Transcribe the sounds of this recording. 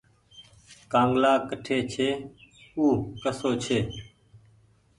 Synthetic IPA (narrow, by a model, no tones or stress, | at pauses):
kãːŋɡlaːkəʈʰeːt͡ʃʰeːuːkəsoːt͡ʃʰeː